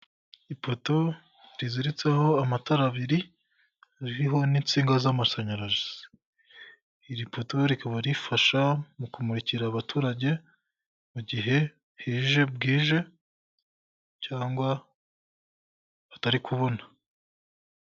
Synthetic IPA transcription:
ipo̞to̞ | ɾiziɾit͡seho̞amataɾaβiɾi | ɾiɾiɦo̞niːnt͡siːŋɡazamaʃaɲaɾaʒi̥ | iɾipo̞to̞ɾikaβaɾifaʃamukumuɾiciɾaβatʰuːɾaɟe̞ | muɟiɦe̞ | hiːʒe̞b̚ɡiːʒe̞ | caːŋɡwa | βataɾikʰuβo̞nḁ

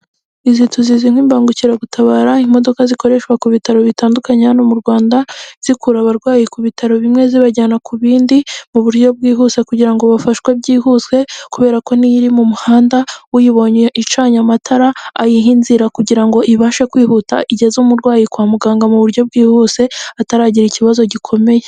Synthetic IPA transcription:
izitʰuziziŋ̥wiːmbaːŋɡuciɾaɡutʰaβaːɾaimo̞do̞kaziko̞ɾe̞ʃkwakuβitaɾo̞βitaːndukaɲaanomuɾɡwaːndaz̥ikuɾaβaɾɡwaːjikuβitʰaɾo̞βimŋe̞ziβaɟaːnakuβiːndimuβuɾjo̞b̚ɡiːɦuːse̞kuɟiɾaŋɡoβafaʃkwebɟiːhuswe̞kuβe̞ːɾako̞nijiɾimumuhaːndawujiβo̞ɲeʔit͡ʃaːɲamatʰaɾaːjiɦinziɾakuɟiɾaŋɡo̞ʔiβaʃekwiːhuta̰ʔiɟe̞zumuɾɡwaːjikwaːmuɡaːŋɡamuβuɾjo̞b̚ɡiːhuːse̞ataɾaːɟiɾiciβazo̞ɟikʰo̞me̞je

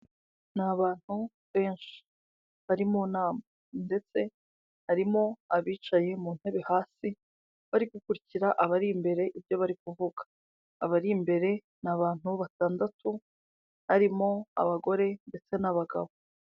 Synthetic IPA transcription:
naβaːn̥hu | βe̞ːnʃi̥ | βaɾimonaːma | nde̞t͡se̞ | haɾimo̞aβiːt͡ʃaje̞mun̥he̞βehaːsi | βaɾiɡukuɾiciɾaʔaβaɾiːmbe̞ɾe̞ʔibjo̞βaɾikuvuɡḁː | βaɾiːmbe̞ɾe̞ | naβaːn̥huβataːndatʰu | haɾimo̞a̰βaɡo̞ɾe̞nde̞t͡se̞naβaɡa̰βo̞

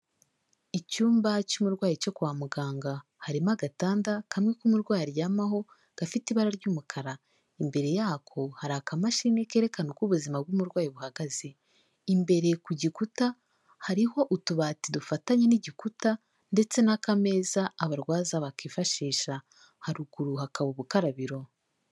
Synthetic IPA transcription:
icuːmbacumuɾɡwaːjit͡ʃo̞kuwaːmuɡaːŋɡahaɾimaɡataːndakʰamŋe̞kumuɾɡwaːjɾjaːmaho̞ | ɡ̥afitiβaɾaɾɟuːmukʰaɾa | imbe̞ɾe̞jaːkʰo̞haɾakamaʃiːneke̞ːɾe̞kanoɡɡuβuzimab̚ɡumuɾɡwaːjiβuhaɡaze | imbe̞ɾe̞kuɟikuta | haɾiho̞ʔutuβaːtidufataɲeniɟikuta | nde̞t͡se̞nakame̞ːzaːβaɾɡwaːzaβakifaʃiːʃa | haɾuɡ̥uɾuhakaβuβukaɾaβiɾo̞

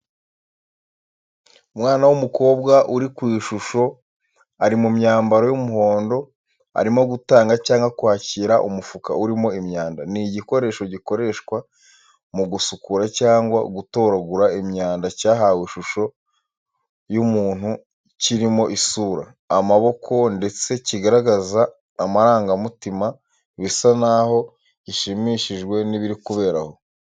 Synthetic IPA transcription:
mwaːnawumuko̞ːbɡaʔuɾikwiːʃuʃo̞ | aɾimumɲaːmbaɾo̞jumuɦo̞ːndo̞ | a̰ɾimo̞ɡutaːŋɡacaːŋɡakwaːciɾaʔṵmufuka̰uɾimo̞imɲaːndaniɟiko̞ɾe̞ːʃo̞ɟiko̞ɾe̞ʃkwa | muɡusukuɾacaːŋɡwa̰ɡuto̞ːɾaɡuɾaimɲaːndacaːɦaweʃuʃo̞ | jumuːnhu | ciɾimo̞ʔisuːɾa̰ː | maβo̞kʰo̞nde̞t͡se̞ciɡaɾaɡazaː | maɾaːŋɡamutima | βisanaho̞ | iʃimiʃiʒɡwe̞niβiɾikuβe̞ːɾa̰ho̞

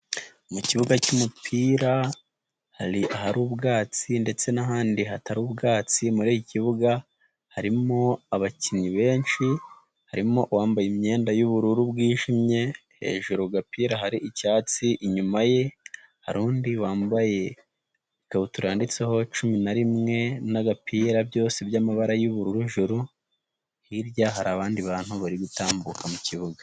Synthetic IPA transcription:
muciβuɡacumupʰiːɾa | haɾiʔaɦaɾuːbɡaːt͡sinde̞t͡se̞naɦaːndiɦataɾuːbɡaːt͡simuɾiːjiciβuɡa | haɾimoaβaciniβe̞ːnʃi | haɾimo̞waːmbajemɲe̞ːndajuβuɾuɾubɡiːʒimɲe̞ | he̞̰ːʒuɾuɡapiːɾaɦaɾiʔicaːt͡siʔiɲumaje̞ | haɾuːndiwaːmbaje̞ | ikaβutuɾaːndit͡seho̞t͡ʃuminaɾimŋe̞naɡapiːɾabjo̞ːsebjamaβaɾajuβuɾuɾuʒuɾu | hiɾjaɦaɾaβaːndiβaːn̥huβaɾiɡutaːmbukʰamuciβuɡḁ

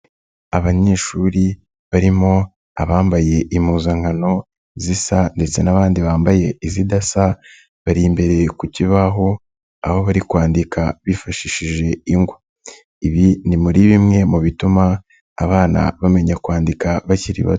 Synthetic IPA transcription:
aβaɲe̞ːʃuːɾi | βaɾimo̞ | aβaːmbaje̞ʔimuːzaŋhano̞ | zisande̞t͡se̞naβaːndiβaːmbaje̞izidasa | βaɾimbe̞ɾe̞kuciβaɦo̞ | aho̞βaɾikwaːndika̰βifaʃiʃiʒe̞iŋɡwo | iβinimuɾiβimŋe̞muβitumaː | βaːna̰βame̞ɲakwaːndikaβaciɾḭβa̰

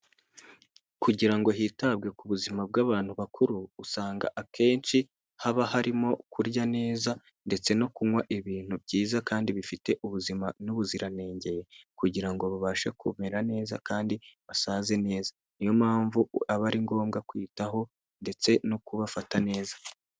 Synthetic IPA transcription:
kuɟiɾaŋɡo̞ɦiːtab̚ɡe̞kuβuzimab̚ɡaːβaːn̥huβakʰuɾuːsaːŋɡa̰ʔakʰe̞ːnt͡ʃi | haβaɦaɾimo̞kʰuɾɟane̞ːza | nde̞t͡se̞no̞kuŋwaʔiβiːn̥hubɟiːzakaːndiβifite̞ʔuβuzimanuβuziɾane̞ːɲɟe̞je̞kuɟiɾaŋɡo̞βaβaːʃakumeɾane̞ːza̰kaːndiβasaːze̞ne̞ːza | ijo̞maːɱvuaβaɾiŋɡo̞ːmɡakwiːtaɦo̞ | nde̞t͡se̞no̞kuβafatane̞ːzḁ

